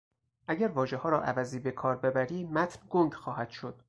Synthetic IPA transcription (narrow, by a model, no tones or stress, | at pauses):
ʔæɟæɾvɒːʒehɒːɾɒ̰ːʔæ̰væziːbe̞kʰɒːɾbe̞bæɾiːmæt̪ʰnɡoŋɟxɒːhæd̪̥ʃo̞d̪̥